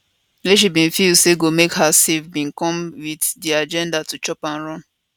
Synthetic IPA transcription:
leʃ̬ibĩnfilseɡomekhasefbĩnkɔ̃mwiddiad͡ʒɛ̃ndatut͡ʃɔpãnɹɔ̃n

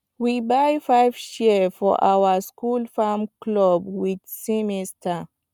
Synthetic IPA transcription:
wibajfajvʃifɔ̰ʔawəskulfamklɔbwid̪simistʰa

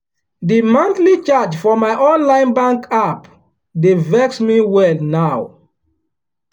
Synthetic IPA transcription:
dimãntlit͡ʃad͡ʒfɔmaɪʔɔ̃nlãɪ̃nbãŋkʰap | devɛksmiwɛlnaw

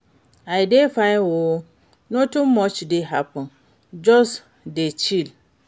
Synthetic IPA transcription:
ajdefawo | nõtummːɔt͡ʃdeɦapə̃n | d͡ʒɔs | det͡ʃil

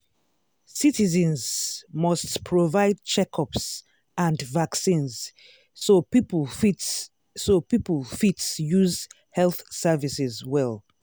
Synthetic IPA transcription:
sitizɛ̃nzmɔstpʰɹovaɪd̚t͡ʃɛkʰɔps | ãndvaksĩnz | sopiplfi | sopiplˠfitsjuz | hɛlθsɛvisɛzwɛlˠ

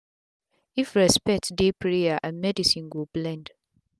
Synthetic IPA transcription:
ifɹɛspɛk̚tdepʰɹeaʔãnmɛdisĩnɡoblɛ̃nd

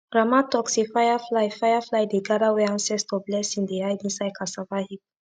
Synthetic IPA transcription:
ɾamãtɔksifajaflajfajaflajd̪eɡaɾawɛãnsɛst̪ɔblɛsĩnd̪eajdĩnsajkasavahik̚

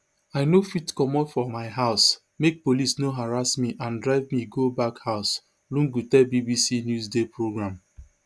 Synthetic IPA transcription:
aɪnofitkɔmɔ̃nfɔmaɪɦaʊs | mek̚polisnoɦaɹasmiʔãndɹaɪvmiɡobakhaʊs | lũŋɡutɛbibisinjuzdepɹoɡɹãm

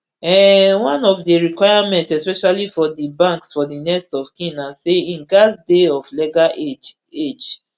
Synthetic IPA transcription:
ɛwãnɔfdeɹikwaɪamɛ̃ntsɛspɛʃalifɔdibãŋksfɔdinɛstɔfkĩnaseĩnɡasdeɔflɛɡaed͡ʒ | ed͡ʒ

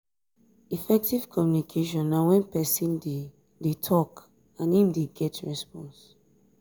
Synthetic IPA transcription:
ifɛk̚tiv̥kʰɔmjunikʰeʃ̬ɔ̃nːawɛ̃npɛsĩn | detʰɔk | ãnhĩmdeɡɛtʰɹɛspɔ̃ns

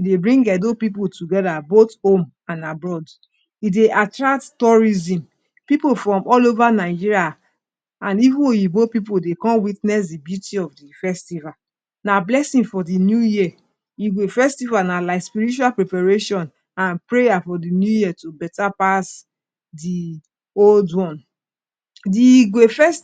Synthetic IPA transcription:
jidebɹĩŋɡɛdopip̬otuɡɛdabothõm | ãnabɹɔd | ideʔatɹak̚ttɔɹizĩm | pipofɹɔ̃mɔlovanaɪd͡ʒiɹia | ãnivũnojibopip̬odekɔ̃nwitnɛs̬dibjutiɔfdifɛstiva | nablɛsĩfɔdinjuji | iɡwefɛstivanalaɪspiɹit͡ʃualpɹɛpaɹeʃɔ̃n | ãnpɹejafɔdinjujiɛtubɛtapas | di | oldwɔ̃n | diɡwefɛs

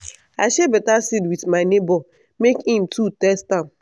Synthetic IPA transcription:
aʃebetasidwidmaɪnebɔ | mekhĩm̩tʰutɛstam

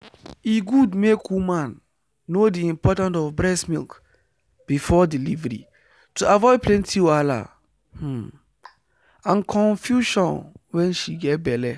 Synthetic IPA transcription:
iɡudmekʰumãnː | odiĩmpʰɔtãntɔvbɹɛsmilk | b̥ifɔdilivɛɹḭ | tʰuʔavɔɪpʰlɛ̃ntʰiwala̰ | h̩ | ãnkʰɔ̃nfjuʃɔ̃nwɛ̃nʃiɡɛt̚bɛlɛ

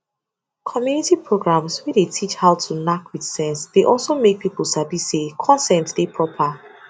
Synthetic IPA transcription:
kʰɔmjunitipʰɹoɡɹãmswidetʰit͡ʃhaʊtʰunakwið̥sɛ̃nsdeʔɔlˠsomek̚pipl̩ˠsabisekʰɔ̃nsɛ̃ntd̥epʰɹɔpʰə

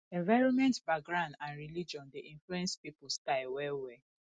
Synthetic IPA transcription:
ɛ̃ɱvaɪɹɔ̃nmɛ̃ntbaɡɹãndãnɹilid͡ʒɔ̃ndeʔĩɱfluɛ̃nspipʊskaɪwɛwɛ

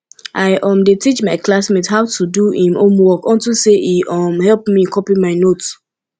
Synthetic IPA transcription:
ʔaɪʔɔ̃mdetit͡ʃmaɪklasmethaʊtʰuduĩmõmwɔkɔ̃ntiseiʔɔmhɛlpmikʰɔpimaɪnot

